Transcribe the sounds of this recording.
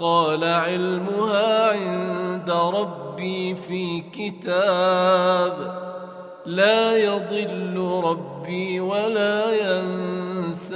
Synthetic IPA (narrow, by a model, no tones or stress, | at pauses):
qɑːlaʕɪlmʊhaːʕɪnd̪aɾˤɑbːiːfiːkɪt̪aːb | laːjɑd̪ˤɨlːʊɾˤɑbːiːwalaːjans